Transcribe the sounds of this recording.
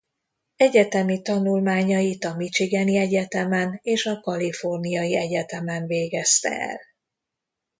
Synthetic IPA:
ɛɟɛt̪ɛmit̪ɒnulmaːɲɒjit̪ɒmit͡ʃiɡɛniɛɟɛt̪ɛmɛneːʃɒkɒlifo̞rnijɒjiɛɟɛt̪ɛmɛnveːɡɛst̪ɛ̰ɛ̰l

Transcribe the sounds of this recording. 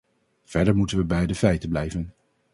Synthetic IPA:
v̥ɛɹdəɹmutənʋəbɛjdəfɛjtəblɛjvən

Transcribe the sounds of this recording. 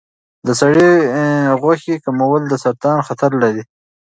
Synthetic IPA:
d̪əsaɽi | ɣwaxikamawəld̪əsɐɾt̪ɑːnxat̪ʰaɾlaɾi

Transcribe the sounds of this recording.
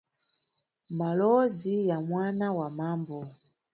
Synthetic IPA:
malɔzijamwanawamambɔ

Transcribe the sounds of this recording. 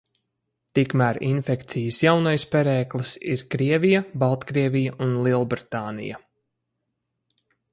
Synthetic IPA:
t̪ikmæɾinfɛkt̪sijəsjawnajspɛɾɛːklˠisiɾkɾiɛvijabalˠt̪kɾiɛvijaʔunlˠiɛlˠbɾit̪aːnḭja̰

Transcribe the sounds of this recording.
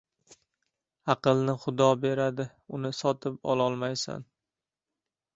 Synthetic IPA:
ɑqɨlˠnɪχʊd̪ɒbe̞ɾad̪ɪ | ʊnɪsɒt̪ʰɪpɒ̰lˠɒlˠmajsa̰n

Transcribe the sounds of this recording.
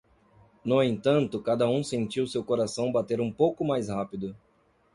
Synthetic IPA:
noẽnt̪ɐ̃nt̪ʊkad̪ɐũsẽnt͡ʃiwsewkoɾasɐ̃w̃bat̪eɾũpowkʊmajshapid̪ʊ

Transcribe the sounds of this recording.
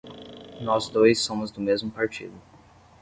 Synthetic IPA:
nɔzd̪ojsːõmʊzd̪ʊmezmʊpaɾt͡ʃḭd̪ʊ

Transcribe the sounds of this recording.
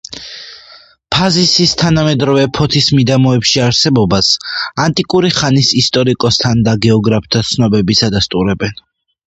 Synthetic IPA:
pʰazisist̪ʰanamɛd̪ɾɔvɛpʰɔt̪ʰismid̪amɔɛpʃiaɾsɛbɔbasant̪ʼikʼuɾiχanisist̪ʼɔɾikʼɔst̪ʰand̪aɡɛɔɡɾapʰt̪ʰat̪sʰnɔbɛbisad̪ast̪ʼuɾɛbɛn

